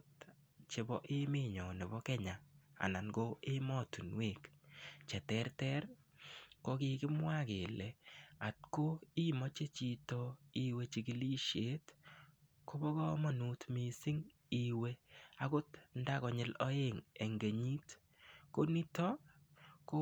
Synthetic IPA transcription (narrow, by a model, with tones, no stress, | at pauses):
t | t͡ʃe˨bɔ˦ʔɪ˦me˦ɲɔ˨ne˨bɔ˦kɛ˦ɲa˨a̰˨na˨nɡo˦ɪ˦mɔ˦tu˨nwe˦˨kt͡ʃɛ˨tɛ˦rtɛ˦r | ko˦kɪ˦kɪ˦mwa˦ke˨lɛ˨a˨t̚ko˦i˦mɔ˦t͡ʃe˦t͡ʃi˧tɔ˦i˦we˦t͡ʃi˨kɪ˨li˦ʃe˦t | ko˦bɔ˦kɔ˦ma˦nu˦tmi˨sɪ˦ŋ | i˦we˦a˦kʊ˦tnda˦kɔ˨ɲɪ˦lɔ˦e˦ŋe˨ŋɡe˨ɲi˦t | ko˦ni˦tɔ˦ko